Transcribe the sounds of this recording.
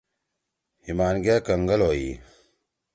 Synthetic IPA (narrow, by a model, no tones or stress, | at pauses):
himaːnɡaːkɐŋɡɐlojiː